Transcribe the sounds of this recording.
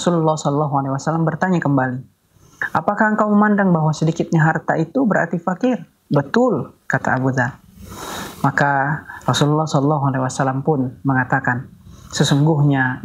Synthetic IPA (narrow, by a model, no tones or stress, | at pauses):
sululːɑhsɔlɔlːɔɦualewasalambərt̪aɲakəmbali | ʔapakahəŋkawməmandaŋbaɦwasədikɪt̪̚ɲaɦart̪ait̪ubəɾa̰rt̪ifakɪr | bət̪ʊlkat̪a̰abuða | makarɔsululːɑhsɔlɔlːɔɦualewasalampʊnməŋat̪akansəsuŋɡʊhɲa